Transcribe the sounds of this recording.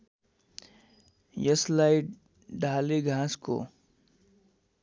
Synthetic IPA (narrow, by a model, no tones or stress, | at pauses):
jəslaiʈ | ɖʱaːleɡʱãːsko̰